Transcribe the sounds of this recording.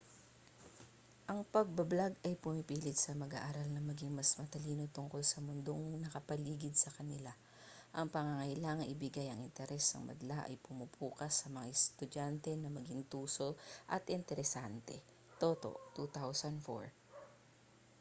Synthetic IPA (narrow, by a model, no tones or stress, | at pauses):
ʔɐŋpɐɡ̚bɐblaɡɐjpʊmɪpiːlɪt̪̚sɐmɐɡa̰ːʔaːɾɐlnɐmɐɡiŋmɐsmɐt̪ɐliːno̞t̪ʊŋko̞lsɐmʊnd̪o̞ŋnɐkɐpɐliːɡɪd̪̚sɐkɐnɪla | ʔɐŋpɐŋɐŋɐʔɪlaːŋɐŋʔɪbɪɡajɐŋʔɪnt̪ɛɾɛsɐ̰ŋmɐ̰d̪ɐlaʔɐ̰jpʊmupʰuːkɐsːɐmɐŋaʔɛst̪ʊdant̪ɛnɐmɐɡiŋt̪uːso̞ʔɐt̪ʔɪnt̪ɛɾɛsant̪ɛ̰ | t̪oːt̪o̞̰ʔt̪ut̪awsɐnd̪fo̰ɹ